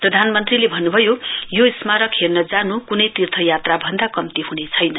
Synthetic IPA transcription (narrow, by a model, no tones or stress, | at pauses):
prʌd̪ʱanmʌnt̪rilebʱʌnːubʱʌjojosmaɾʌkʰernʌd͡zanukunʌjt̪irt̪ʰʌjat̪rabʱʌnd̪akʌmt̪iɦunet͡sʰʌjnʌ